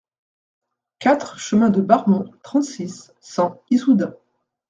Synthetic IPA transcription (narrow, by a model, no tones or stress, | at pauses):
kat̪χʃəmɛ̃d̪əbaʁmɔ̃t̪χɑ̃t̪sisː | ɑ̃isud̪ɛ̃